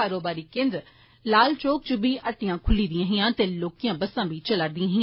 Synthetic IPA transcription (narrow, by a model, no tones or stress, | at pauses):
aːɾoːbaːɾiːkẽnd̪ɾ | laːlt͡ʃoːk̚t͡ʃʊbiːʔəʈːɪjãːkʰʊliːd̪ɪjãːɦɪjãːt̪eːloːkɪjãːbəsãːbiːt͡ʃələɾd̪ɪ̃ãːɦɪ̃ãː